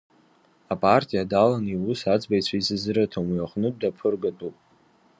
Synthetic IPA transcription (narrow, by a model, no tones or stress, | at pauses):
apʼartʼijadalaniwʊsad͡zʼbajt͡ɕʷʰaizɨzɨɾatʰamjaχʷnɨd̚ːapʰɨrɡatʼupʼ